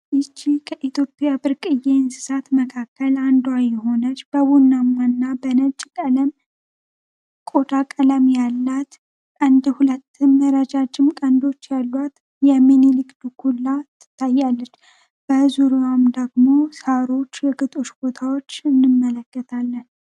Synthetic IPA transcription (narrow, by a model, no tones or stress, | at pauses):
ʔɨt͡ʃːikʰəʔit̪ʰjo̞pʼjabɨɾkʼɨjensɨ̥sat̪məkʰakːəland̪wajɛɦo̞nət͡ʃːb̥əβunːamwanːabənət͡ʃʼkʼələm | kʼod̪akʼələmjalːat̪ | ʔʼənd̪hulət̪ːɨmːəɾad͡ʒad͡ʒɪmkʼənd̪o̞t͡ʃːjalːwat̪ | jɛmenilikd̪ukʰulːat̪ʰːɨ̥t̪ʰːajːalːət͡ʃː | b̥əzuɾuwamd̪əɡmo̞saɾo̞t͡ʃːjɛɡɨt̪ʼoʃb̥o̞t̪ʰawo̞t͡ʃːɨnːɨmːələkːət̪ʰalːən